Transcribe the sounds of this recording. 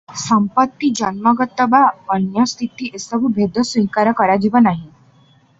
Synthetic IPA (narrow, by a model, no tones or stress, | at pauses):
səmpət̪ːid͡ʒənməɡət̪əbaənjəst̪ʰit̪iʔesəbʱubʱed̪ʱəsʋĩkaɾəkəɾad͡ʒiʋanaɦĩ